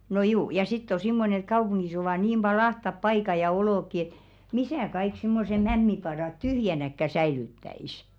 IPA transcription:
no juː jɑ sitː o simːonĕn̞̆ et kɑupuŋɡ̊is oʋɑˑ niːm b̥ɑi ɑhtɑp pɑikɑ jɑ oloˑkːi et misæˑ kɑik simːose mæmːipɑdɑˑt tyhjænækːæ sæilytːæis

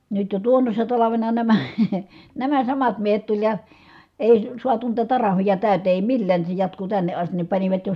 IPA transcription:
nyt jo tuonːosːɑ tɑlɑʋenɑ næmæ̥ næmæ sɑmɑt miehet tulʲ jɑ eˑi suɑtu niːtæ tɑrɑhʋijɑ tæˑyteː eˑi milːæːn ni se jɑtku tænːe ʔɑstin ni pɑniʋɑt jo

